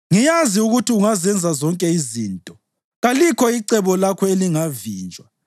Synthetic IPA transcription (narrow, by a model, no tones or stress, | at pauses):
ŋijaziuɣutʰiuŋazɛnd͡zʱazɔŋkʼɛiziːntʼɔ | ɣalikʰɔiǀɛβɔlakʰɔeliŋaviːnd͡ʒʱwa